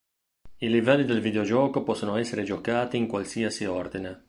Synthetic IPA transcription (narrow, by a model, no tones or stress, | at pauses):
ilivɛlːid̪elvid̪eod͡ʒɔːkopɔsːonoɛsːeɾed͡ʒokaːt̪iːŋkwalsiasiord̪ine